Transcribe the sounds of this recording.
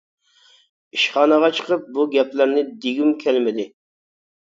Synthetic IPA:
iʃχɑːnəʁɑt͡ʃʰə̥qəp̚buɡʲɛplæɾnɪd̪eɡʲimkʲʰɛlmɪd̪ɪ

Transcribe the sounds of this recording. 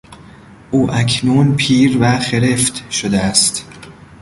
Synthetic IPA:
ʔuːʔæcʰnuːnpʰiːɾvæxe̞ɾeft̪ʃod̪eæst̪

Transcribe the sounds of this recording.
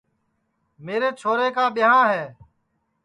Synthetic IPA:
meːɾeːt͡ʃʰoːɾeːkaːɓɪɦãːɦɛː

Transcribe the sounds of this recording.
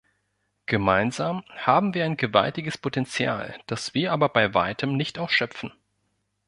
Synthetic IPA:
ɡ̥əmaɪnzaːmhaːbm̩viːɐaɪnɡəva̰ltɪɡəspʰotɛnt͡sja̰ːld̥asv̥iːɐʔaːbɐbaɪva̰ɪtʰəmnɪçtʔaʊsʃœpp͡fn̩

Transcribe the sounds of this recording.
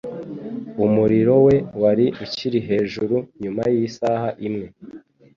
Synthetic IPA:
umuɾiɾo̞we̞waɾiuciɾiɦe̞ːʒuɾuɲumajisaːhaʔimŋe̞

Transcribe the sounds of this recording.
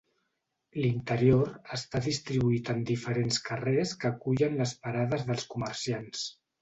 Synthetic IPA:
lint̪əɾioɾəst̪aðist̪ɾiβuit̪ənd̪ifəɾenskəreskəkuʎənləspəɾaðəzðəlˠskuməɾsians

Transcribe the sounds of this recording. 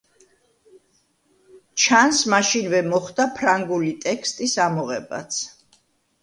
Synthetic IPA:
t͡ʃʰansmaʃinvɛmɔχd̪apʰɾaŋɡulit̪ʼɛkʰst̪ʼisamɔʁɛba̰t̪sʰ

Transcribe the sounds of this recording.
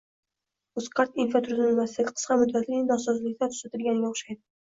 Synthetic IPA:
ʊsqʰɑɾt̪infat̪ʰʊɾzanlmaslɪɡʲɪ̥qʰə̥sqɑmʊd̪ːat̪lɪɪŋd̪ɒsɒzlɪkʲt̪at̪ʰʊ̥sat̪ɪlɡʲanɪɡʲaʊχʃajd̪ɪ

